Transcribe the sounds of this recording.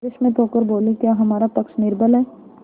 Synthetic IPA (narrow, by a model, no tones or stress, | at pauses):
eʃmẽt̪oːkəɾboːlũkjaːɦɐmaːɾapɐkʃnɪɾbʱəlɦɛː